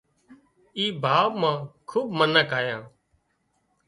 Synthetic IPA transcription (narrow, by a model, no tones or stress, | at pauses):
iːbʱaːʋmãːkʰuːbmənəkaːjãː